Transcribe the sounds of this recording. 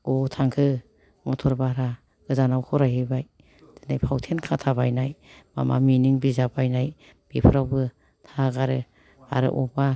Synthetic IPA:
ɔtʰaŋkʰɯ | mɔtʰɔɾbaɾa | ɡɯzanawkʰɔɾajhɯbaj | d̥enajpʰawtʰenkʰatʰabajnajma̰ma̰miniŋbizabajnaj | b̥epʰɯɾawbɯ | tʰaɡaɾɯ | a̰ɾɯ̰ʔɔba

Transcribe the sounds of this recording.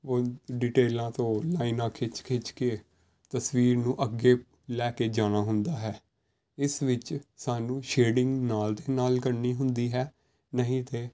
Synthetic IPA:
oːɖiːʈeːlãːt̪õːlaːinãːkʰɪt͡ʃkʰɪt͡ʃkeː | t̪əsʋiːɾnũːʔəɡːeː | lɛːkeːd͡ʒaːnaːɦʊnd̪aːɦɛː | ɪsʋɪt͡ʃsaːnũːʃeːɖɪŋɡnaːld̪eːnaːlkəɾniːɦʊnd̪iːɦɛː | nəɦĩːt̪eː

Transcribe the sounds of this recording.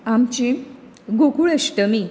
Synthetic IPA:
amt͡ɕi | ɡokuɭeɕʈəmi

